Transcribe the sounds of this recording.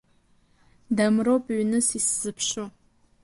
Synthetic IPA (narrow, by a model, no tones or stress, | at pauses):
damropʼɥnɨsisz̥ɨpʰʃu